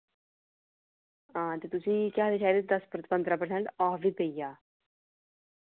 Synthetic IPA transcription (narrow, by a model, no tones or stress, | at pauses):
ãːt̪eːt̪ʊsĩːkjaːd̪et͡ʃʰaːed̪ed̪əspɾəpə̃nd̪ɾaːpəɾsɛ̃ɳʈɔːfʋiːpeijaː